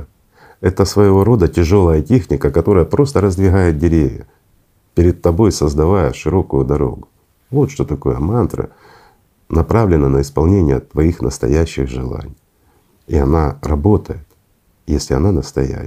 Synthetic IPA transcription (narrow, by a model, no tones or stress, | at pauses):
ɛt̪əsvəjɪvo̞ɾo̞d̪ətʲɪʐo̞lˠəjətʲexnʲɪkəkɐt̪o̞ɾəjəpɾo̞st̪əɾəzd̪vʲɪɣajɪt̪̚dʲɪɾʲevʲjə̰ | pʲɪɾʲɪd̪̚t̪ɐbo̞jsəzd̪ɐvajəʂɨɾo̞kʊjʊd̪ɐɾo̞̰ɡʊ | vo̞t̪ʂt̪o̞t̪ɐko̞jəmant̪ɾə̰ | nɐpɾavlʲɪnənəɪspɐlˠnʲenʲɪjə̰t̪ːvɐixnəst̪ɐ̰jæɕːɪɣʐɨlˠa̰nʲɪj | iɐnarɐbo̞t̪əjɪt̪ | jesʲlʲɪɐnanəst̪ɐjæ̰